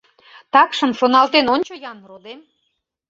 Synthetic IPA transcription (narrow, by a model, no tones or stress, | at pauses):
t̪ɑkʃə̆mʃonɑlt̪enonʲt͡ɕojɑnrod̪em